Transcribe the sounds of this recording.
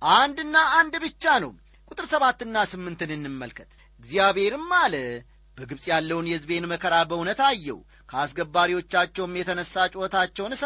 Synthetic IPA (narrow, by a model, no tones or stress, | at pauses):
ʔand̪ɨnːaːnd̪bɨt͡ʃːanəw | kʼut̪ʼɨɾsəβat̪ːɨnːasɨmːɨnt̪ɨnɨnːɨmːəlkʰət̪ | ɨɡzijaβhe̞ɾɨmːalə | b̥əɡɨβsʼjalːəwunjɛɨzbe̞nməkʰəɾabəhunət̪ajːɛ̰w | kʰəasɡəbːaɾiwo̞t͡ʃːat͡ʃːɛwmjɛt̪ʰənəsːat͡ʃʼət̪ʰat͡ʃːɛwnɨs